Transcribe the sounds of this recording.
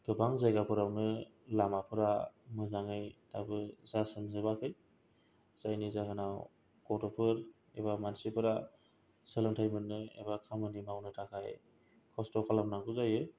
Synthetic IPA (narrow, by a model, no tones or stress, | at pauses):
ɡ̥ɯbaŋzajɡapʰɯɾawnɯ | lamapʰɯɾamɯzaŋɯjtabɯzasɯmzɯbakʰɯj | z̥ajnizakʰɯnaw | kɔtɔpʰɯɾ | ebamansipʰɯɾa | sɯlɯntʰajmɯnːɯḛbakʰamɯnimawnɯtʰakʰaj | kʰɔstɔkʰalamnaŋɡuzajɯ